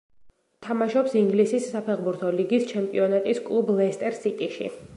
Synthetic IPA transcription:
t̪ʰamaʃɔpsiŋɡlisisːapʰɛʁbuɾt̪ʰɔliɡist͡ʃʰɛmpʼiɔnat̪ʼiskʼlˠublɛst̪ʼɛɾsit̪ʼiʃḭ

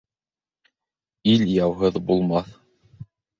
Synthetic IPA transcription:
iljɑwɦɤðbulˠmɑθ

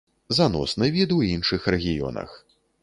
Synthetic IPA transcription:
zanɔ̰snɨjvʲid̪ɨwinʂɨxrɛɣʲijɔ̰nɐ̰x

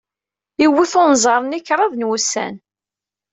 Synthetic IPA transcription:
iwːiθʊnzˤɑɾˤnikːɾˤɑðˤnwusæ̰n

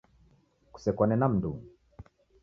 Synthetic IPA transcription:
ku̥sɛkwanɛnam̩nduŋ

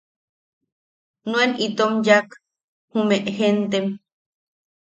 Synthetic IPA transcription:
nũenit̪omjak | humeʔhent̪em

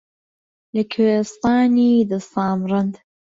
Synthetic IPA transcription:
ləkʰwest̪ɑːniːd̪ɐsɑːmɾˤɨnd̪

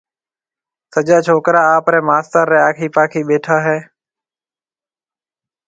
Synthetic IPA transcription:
səd͡ʒaːt͡ʃʰoːkɾãːaːpɾɛ̃ːmaːst̪əɾːɛːaːkʰiːpaːkʰiːɓeːʈʰaːɦeː

